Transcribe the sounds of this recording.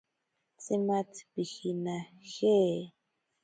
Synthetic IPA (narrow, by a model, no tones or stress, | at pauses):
t͡simat͡spixinaxe